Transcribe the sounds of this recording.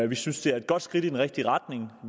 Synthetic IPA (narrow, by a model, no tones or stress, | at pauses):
ʋisynsd̥e̝æɐe̝d̥̚ɡ̥ɒ̽d̥sɡ̥ʁid̥id̥enʁɛɡ̥̚d̥iʁɑ̈d̥ne̝ŋ